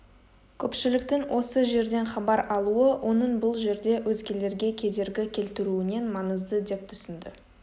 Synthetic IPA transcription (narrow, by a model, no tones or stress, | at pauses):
kʲʰɵpʃɪlɪk̚t̪ɪŋwʔo̞səʒe̞ɾd̪e̞nχɑbɑɾɑlˠuəwʔo̞nəɴbʊlˠʒe̞ɾd̪e̞wɵzɡʲe̞le̞ɾɡʲe̞kʲʰe̞d̪e̞ɾɡʲɪkʲʰe̞lt̪ɪɾuɪne̞nmɑnəzd̪əd̪e̞p̚t̪ʰʏ̥sɪnd̪ɪ